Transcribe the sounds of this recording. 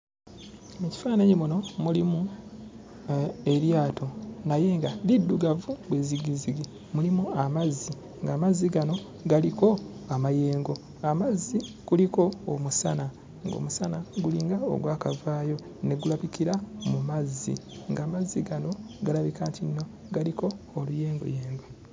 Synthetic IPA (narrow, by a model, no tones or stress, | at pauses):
meci̥faːnaɲimuno̞mulimu | e̞ɾjaːtʰo̞naje̞ŋɡalidːuɡavubweːziɡiziɡi | mulimuamazːi | ŋɡaːmazːiɡano̞ | ɡaliko̞amaje̞ːŋɡo̞ | amazːi | ɡ̥uliko̞ːmusa̰na | ŋɡo̞̰musanaɡuliːŋɡao̰ɡwaːkavaːjo̞ | ne̞ɡulaβikiɾamumazːḭŋɡaːmazːiɡano̞ | ɡalaβikaːntinːo̞ | ɡaliko̞ːlujeːŋɡo̰jeːmba